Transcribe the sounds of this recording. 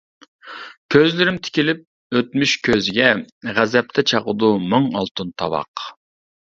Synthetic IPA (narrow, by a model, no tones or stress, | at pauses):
kʲʰøzlɪɾɪmt̪ʰɪ̥kʲilɪp̚ | øt̪myʃkʲʰøzɪɡʲɛʁæzɛp̚t̪ʰɛt͡ʃʰɑʁəd̪umɨŋɑlˠt̪unt̪ʰɑwɑ̰q